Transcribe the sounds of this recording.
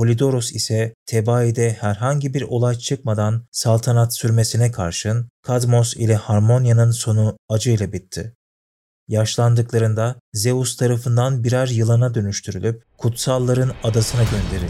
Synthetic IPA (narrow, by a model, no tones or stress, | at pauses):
pʰo̞lʲid̪o̞ɾusisɛt̪ʰebaːid̪ɛhæɾɦaɲɟibiɾo̞lˠajt͡ʃʰɯkmad̪ansalˠt̪ʰanat̪syɾme̞sinɛkʰa̰ɾʃɯnkʰad̪mosḭlʲɛhaɾmo̞njanɯnso̞nuad͡ʒɯjlʲˠabit̪ʰːi | jaʃlˠand̪ɯklˠaɾɯnd̪azeust̪ʰaɾafɯnd̪anbiɾaɾjɯlˠanad̪ø̞nyʃt̪ʰyɾylʲyp̚kʰut̪salˠːaɾɯnad̪asɯnaɟø̞nd̪e̞ɾḭlʲ